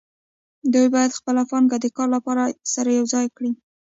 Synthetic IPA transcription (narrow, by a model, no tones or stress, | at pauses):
d̪ujbɑjad̪xpəlafɣɑnɡad̪əkɑɾlapɑɾasaɾajawzɑjkɽi